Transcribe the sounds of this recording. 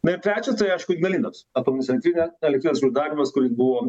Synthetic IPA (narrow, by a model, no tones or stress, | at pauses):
nɐɪɾt̪ɾʲæːt͡ʃʲɛst̪ɐɪɐɪʃkʊɪɡnʲɐlʲiːnosɐpoɐmʲnʊt͡ssʲɛnʲt̪ɾʲinʲɛɛlʲɛkt̪ʲiːɛsʲud̪ɑːɾʲimɐskʊɾʲɪsbuʋoː